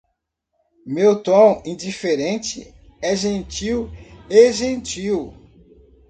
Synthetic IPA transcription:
mewt̪õw̃ĩd͡ʒifeɾẽnt͡ʃɪ̰ | ɛʒẽnt͡ʃiweʒẽnt͡ʃiw

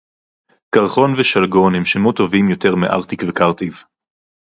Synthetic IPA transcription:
kaʁχo̞nveʃalɡo̞nhemʃemut̪o̞vimjo̞te̞ʁmeʔa̰ʁt̪ikvekaʁt̪iv

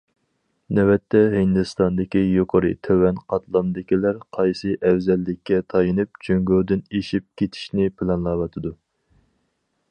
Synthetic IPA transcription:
nɛwɛt̪ʰːɛɦhɪnd̪ɨst̪ɑnd̪ɪkʲijoqʰəɾɨt̪ʰøwɛnqʰɑt̪ʰlˠɑmd̪ɪkʲilæɾqʰɑjsɨʔɛwzɛlːɪkʲːɛt̪ʰɑjɨnɨp̚t͡ʃʰøŋɡoːd̪yneʃip̚kʲʰet̪ʰi̥ʃnɪpʰɪlɛnlˠɑwɑt̪ʰɨd̪u

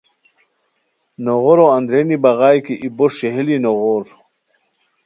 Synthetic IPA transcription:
noʁoɾoand̪ɾenibaɣaːjkiʔiboʂeɦelinoʁoɾ

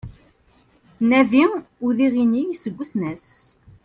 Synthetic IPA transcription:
næviʊðiʁinijsəɡʷːəsnæs

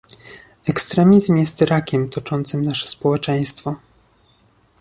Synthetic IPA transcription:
ɛkst̪ɾɛmʲizmjɛst̪ɾakʲɛmt̪ɔt͡ʂɔnt̪sɘmnaʂɛ̥spɔwɛt͡ʂɛj̃st̪fɔ

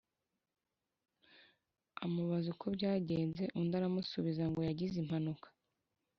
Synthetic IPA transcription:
amuβazukobɟaːɟe̞ːnze̞ʔundaɾamusuβizaŋɡo̞jaɟizim̥hanukḁ

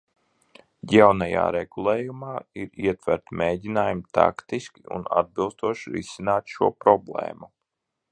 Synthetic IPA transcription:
jawnaja̰ːɾɛɡ̥ulˠeːjumaːiɾiɛt̪væɾt̪meːɟʲinaːjumt̪a̰kt̪iskʲiṵna̰d̪̚bilˠst̪uɔʃiɾisinaːt̪ʃuɔpɾɔblˠḛːmu

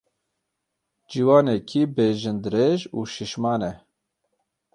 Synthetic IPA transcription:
d͡ʒiːwɑːnɛkʰiːbeːʒɨnd̪ɨɾeːʒuːʃiʃmɑːnɛ

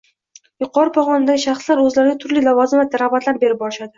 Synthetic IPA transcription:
jʊqʰɒɾɪpʰɒʁɒnɪd̪aɡʲɪʃaχslaɾɵzlaɾɪɡʲat̪ʰʊɾlilavɒzɪmvat̪aɾabat̪ʰlaɾbe̞ɾɪp̚bɒɾʃad̪ɪ

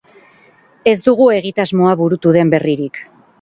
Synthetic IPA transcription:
e̞zd̪uɣ̞ue̞ɣit̪azmo̞aβuɾut̪uðe̞mbe̞riɾik

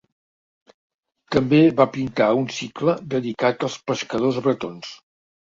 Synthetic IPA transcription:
t̪əmbeβapint̪aunsikləd̪əðikat̪əlˠspəskəðozβɾət̪ons

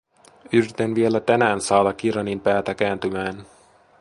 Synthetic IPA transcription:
yɾit̪enʋielæt̪ænæːnsɑːdɑkiɾɑnimpæːt̪ækæːnt̪ymæːn

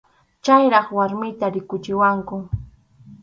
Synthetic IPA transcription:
t͡ʃajɾɑχwaɾmɪjt̪aɾɪkʊt͡ʃɪwaŋkʊ

